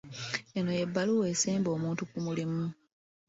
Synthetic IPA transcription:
eno̞je̞bːaluwe̞ːsiːmbo̞ːmuːntukumulimu

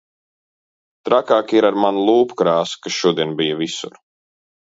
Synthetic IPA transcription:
t̪ɾakaːkiɾaɾmanlˠuːpkɾaːskasʃuɔd̪iɛnbijɐvisṵɾ

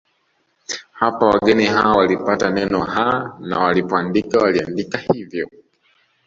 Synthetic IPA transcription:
hapawaɡɛniɦawawalipatanɛnɔhana̰walipɔandikawaliandikahivjɔ

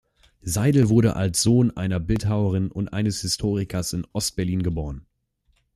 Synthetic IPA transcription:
zaɪdl̩vʊɐɾə̰ʔa̰lsz̥oːnʔa̰ɪnɐbɪltɦaʊəʁ̞ɪnʊntʔa̰ɪnəshɪstʰoːʁ̞ɪkʰɐsɪnʔɔst̚b̥ɛɐliːnɡəboːʁən

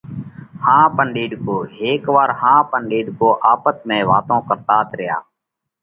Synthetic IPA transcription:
hãːpəɳɗeːɖkoːɦeːkʋaːɾhãːpəɳɗeːɖkoːʔaːpət̪̚mẽːʋa̰ːt̪õːkəɾt̪aːt̪ɾɪja̰ː

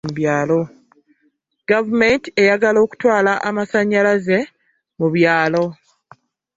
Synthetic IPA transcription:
uβjaːlo̞ | ɡ̥avume̞ntie̞jaɡalo̞ːku̥twaːlaʔamasaɲːalaze̞ | muβjaːlo̞

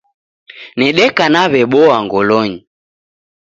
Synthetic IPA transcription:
nɛɗɛkanaβɛɓɔaŋɡɔlɔɲi

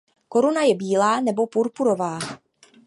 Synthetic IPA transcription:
ko̞ɾunajɛbiːlaːnɛbo̞puɾpuɾo̞vaː

